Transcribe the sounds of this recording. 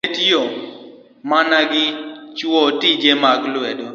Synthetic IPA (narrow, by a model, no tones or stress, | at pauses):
tɔ | manaɡɪt͡ʃwɔtid͡ʒemaɡlwɛdɔ